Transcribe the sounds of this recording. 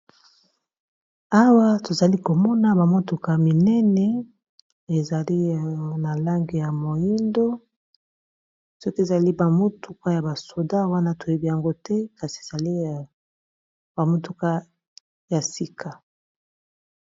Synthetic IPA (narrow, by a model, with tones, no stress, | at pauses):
a˦wa˦to˨za˨li˦ko˨mɔ˦na˦ba˨mo˦tu˨ka˦mi˨nɛ˦nɛ˦ | e˨za˨li˦na˨la˦ŋɡe˨ja˨mo˨ji˦ndo˦ | sɔ˦ke˨za˨li˦ba˨mo˦tu˦ka˦ja˨ba˨so˨da˦wa˦na˦to˨e˨bi˨ja˨ŋɡo˦tɛ˦ka˨si˨e˨z̥a˨li˦˨ | ba˨mo˦tu˦ka˦ | ja˨si˦kʰa˨